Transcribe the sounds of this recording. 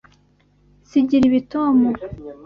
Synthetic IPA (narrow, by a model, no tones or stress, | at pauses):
siɟiɾiβitomo